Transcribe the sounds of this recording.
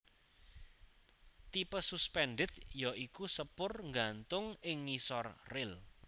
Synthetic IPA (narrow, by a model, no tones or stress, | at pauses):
t̪ipəsuspɛnɖɪt̪jaʔikusəpʊrŋɡant̪ʊŋɪŋːisɔrrɪl